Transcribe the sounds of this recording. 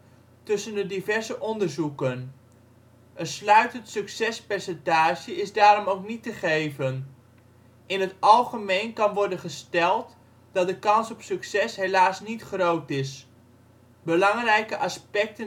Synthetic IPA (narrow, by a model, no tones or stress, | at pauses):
tɵsəndədivɛɹzəʔɔndəɹzukən | əslœɥtəntsɵksɛspɛɹsɛntaːʒəɪzdaːɾɔmowknitəχejvən | ʔɪnətɑlˠχəmejnkɑnʋɔɹdənχəstɛlˠt | d̥ɑt̚dəkɑnsɔpsɵksɛsɦelaːsnitχrowtɪs | bəlɑŋrɛjkəʔɑspɛk̚tə